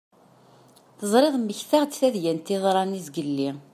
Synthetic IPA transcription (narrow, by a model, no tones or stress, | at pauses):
θəzˤɾˤeðˤmːəçθaʁt͡sθæðjænt̪ːiðˤɾˤɑnizɡəlːi